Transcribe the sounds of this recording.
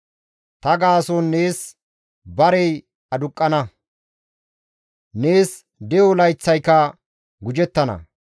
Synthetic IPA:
t̪ɐɡaːsɔnːe̞ːs | bɐɾɛj | ɐd̪ʊkʼːɐnɐ | ne̞ːs | d̪ɛjɔlɐjt͡sːɐjkɐ | ɡʊd͡ʒɛt̪ːɐnɐ̰

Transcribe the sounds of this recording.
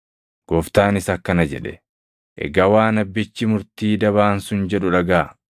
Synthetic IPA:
ɡ̥ɔft̪aːnɪsɐkːɐnɐd͡ʒɛ̰ᶑɛ̰ | ʔɛ̰ɡɐwaːnɐbːɪt͡ʃːɪmʊɾt̪iːd̪ɐβaːnsʊnd͡ʒɛᶑʊᶑɐɡaː

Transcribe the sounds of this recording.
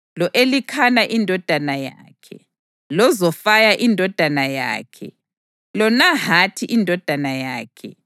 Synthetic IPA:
lɔʔelikʰanaʔindʱɔd̥ʱanaja̰ːkʰɛ̰ | lɔzɔfajaʔindʱɔd̥ʱanaja̰ːkʰɛ̰ | lɔnahatʰiʔindʱɔd̥ʱanajaːkʰɛ

